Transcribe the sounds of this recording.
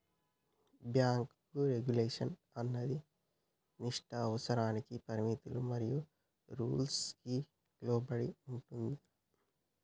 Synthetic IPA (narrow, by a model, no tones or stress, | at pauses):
bjaːŋkkuɾeɡuleːʂɐn | ɐnːɐd̪i | niʂʈɐːʋɐsɐɾaːnikipɐɾimit̪ulumɐɾiju | ɾuːlski | ɡloːbɐɽiuɳʈund̪i